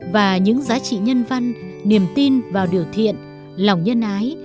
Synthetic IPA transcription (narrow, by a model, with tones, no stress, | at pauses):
vaː˨˩ɲɨ̰˧˥ŋzaː˨˦t͡ɕḭ˧˨ɲə˧nva˧nːi˨˩əmt̪i˧nvaː˨˩wɗi˨˩əwt̪ʰḭ˧˨ən | lɔ˨˩wŋ͡mɲə˧nʔaː˨˦j